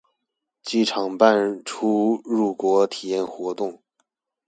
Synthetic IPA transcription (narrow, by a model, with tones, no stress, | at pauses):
t͡ɕi˥˩ʈ͡ʂʰɑ˨˩ŋpa˥˧nʈ͡ʂʰu˥ɻu˥˩kwɔ˧˥t̪ʰi˨˩jɛ˥˩nxwɔ˧˥t̪ʊ˥˩ŋ